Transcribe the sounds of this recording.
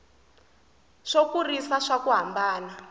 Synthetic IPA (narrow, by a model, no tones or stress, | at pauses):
ʂokurisaʂakuɦambaːna